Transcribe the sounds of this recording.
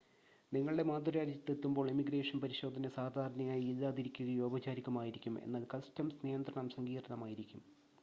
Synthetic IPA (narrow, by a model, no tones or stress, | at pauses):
niŋːɐɭɨɽe̞maːd̪uɾaːɾd͡ʑɐt̪ːet̪ːumbo̞ːɭemiɡre̞ːʂɐnpɐɾiɕo̞ːd̪ʱɐnɐsaːd̪ʱaːɾɐɳɐjaːjiiðaːðiɾikʲːuɣɐjuoːbɐt͡ɕaːɾikʲːɐmaːjiɾikʲːumḛnːaːlkɐstɐmsnijɐnd̪ɾrɐɳɐmsɐŋɡiːrɐɳɐmaːjiɾikʲːum